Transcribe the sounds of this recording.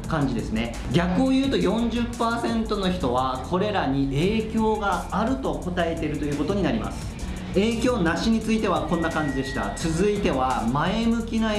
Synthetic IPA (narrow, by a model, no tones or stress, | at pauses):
kãɲ̟d͡ʑid̪e̞sɨne̞ | ɡʲakɯ̟ojɯ̟ːt̪o̞jõ̞ɲ̟d͡ʑɨpːaːsẽ̞nt̪o̞no̞çi̥t̪o̞β̞akʰo̞ɾe̞ɾaɲ̟iʔeːkʲo̞ːɡaːɾɯ̟t̪o̞ko̞t̪ae̞t̪e̞ɾɯ̟t̪o̞jɯ̟ːko̞t̪oɲ̟inaɾʲima̰sɨ̥ | e̞ːkʲo̞ːnaɕiɲ̟it͡sɨit̪e̞β̞akõnːakãɲ̟d͡ʑid̪e̞ɕi̥t̪a̰t͡sɨzɨit̪e̞βamae̞mɯ̟kʲina